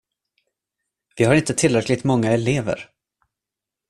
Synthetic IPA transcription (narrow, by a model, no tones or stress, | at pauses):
vɪhaɾɪnt̪ət̪ʰɪlɾɛklɪɡ̚t̪mɔŋːaɛleːvə̰ɾ